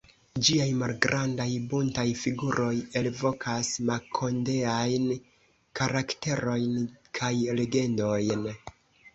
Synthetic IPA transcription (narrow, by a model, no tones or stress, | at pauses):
d͡ʒiajmalɡɾandajbuntajfiɡuɾʔo̞je̞lvo̞kʰasmakʰo̞nde̞ajn | kaɾakte̞ɾo̞jnkʰajle̞ɡe̞ndo̞jn